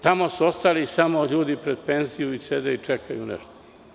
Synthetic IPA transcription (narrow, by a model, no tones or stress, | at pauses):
t̪amo̞suo̞st̪alisamo̞ʎuːd̪ipɾed̪̚penzijuised̪eit͡ʂekʰajṵnḛʃt̪o̥